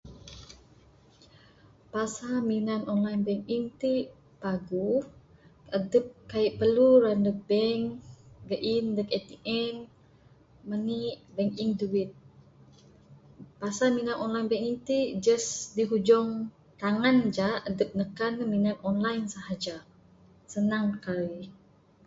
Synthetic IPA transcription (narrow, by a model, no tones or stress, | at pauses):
pasaminanɔnlajnbɛŋkiŋt̪i | paɡu | ədəp̚kaiʔpəluɾandəbɛŋɡəʔindəkɛt̪iʔɛn | məniʔbɛŋkiŋduwit̪̚ | pasaminanʔɔnlajnbɛŋkiŋt̪id͡ʒəsdiɦud͡ʒɔŋ | t̪aŋand͡ʒaədəp̚nəkanminanɔnlajnsahad͡ʒa | sənaŋkaɾi